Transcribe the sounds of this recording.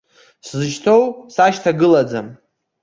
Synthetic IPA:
szɨʃtʰowsaʃtʰaɡɨlad͡zam

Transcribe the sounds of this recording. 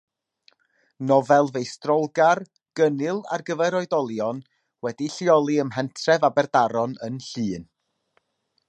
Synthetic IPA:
nɔvɛlˠvejstrɔlˠɡar | ɡ̥ənɨlˠa̰rɡəvɛɾɔɨdɔlˠjɔn | wɛdiɬiɔlˠiəmɦɛntʰrɛvabɛrdaɾɔnənɬɨːn

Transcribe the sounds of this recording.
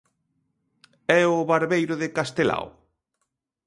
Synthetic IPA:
ɛʊβaɾβejɾʊðɪkast̪ela̰w

